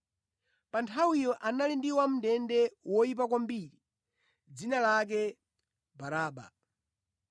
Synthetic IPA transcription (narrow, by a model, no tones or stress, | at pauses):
pantʰawijɔʔanalindiwam̩ndɛndɛwɔip̬akwambiɾi | d͡zinalak̬ɛ | baɾaːɓa̰